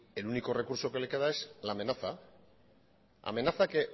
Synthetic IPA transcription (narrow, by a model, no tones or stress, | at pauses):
e̞luniko̞re̞kuɾso̞ke̞leke̞ðae̞slaːme̞naθa | a̰me̞naθake